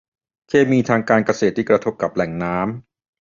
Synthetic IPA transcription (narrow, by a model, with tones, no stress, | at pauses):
kʰeː˧miː˧t̪ʰaː˧ŋkaː˧nka˧seː˨˩t̪ːiː˥˩kɾa˧t̪ʰo˦˥p̚ka˨˩p̚lɛ˨˩ŋnaː˦˥m